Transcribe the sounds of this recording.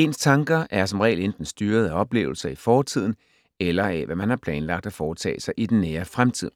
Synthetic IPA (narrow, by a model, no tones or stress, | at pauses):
e̝nst͡sʰɑ̈ŋɡ̥ɐʔæɐsɒ̽mʁɛ̰ɪlend̥n̩sd̥yːɐð̞̩ˠæɒ̽b̥le̝̰ːʊl̩sɐifɒːt͡sʰið̞̰ˠn̩ | elɐæʋæmænhɑ̈pʰlɛːnlɑ̈ɡ̥̚d̥æfɒːt͡sʰɛ̰ːsɑ̈ɪʔid̥enːeːɐfʁamt͡sʰið̞̰ˠ